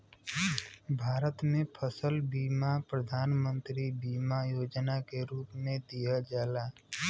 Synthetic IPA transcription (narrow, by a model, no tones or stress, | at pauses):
bʱaːɾət̪mẽpʰəsəlbiːmapɾəd̪ʱaːnmə̃nt̪ɾibiːmajoːd͡ʒnakeɾuːpmẽd̪ijad͡ʒaːlaː